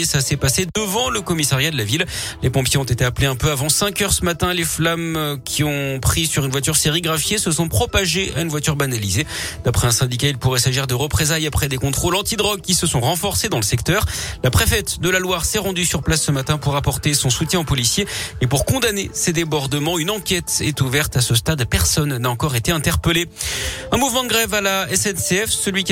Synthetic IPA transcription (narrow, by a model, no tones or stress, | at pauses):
sasɛpased̪əvɑ̃ləkɔmisaʁjad̪əlavil | lepɔ̃pjeɔ̃t̪et̪eapleɛ̃pøavɑ̃sɛ̃kʲœʁsəmat̪ɛ̃leflamkʲʰiɔ̃pχisyʁynvwat̪yʁseʁiɡʁafjesəsɔ̃pχɔpaʒea̰ynvwat̪yʁbanalized̪apχɛɛ̃sɛ̃d̪ikailpuʁɛsaʒiʁd̪əʁəpχezajapχɛd̪ekɔ̃t̪χolɑ̃t̪id̪ʁɔɡ̚kʲisəsɔ̃ʁɑ̃fɔʁsed̪ɑ̃ləsɛkt̪œʁlapχefɛt̪d̪əlalwaʁsɛʁɑ̃d̪ysyʁplasːəmat̪ɛ̃puʁapɔʁt̪esɔ̃sut̪jɛ̃opɔlisjeepuʁkɔ̃d̪anesed̪ebɔʁd̪əmɑ̃ynɑ̃kʲɛt̪ɛt̪uvɛʁt̪asəst̪ad̪pɛʁsɔnːaɑ̃kɔʁet̪eɛ̃t̪ɛʁpəleɛ̃muvmɑ̃d̪əɡʁɛvalaɛsɛnseɛfsəlɥik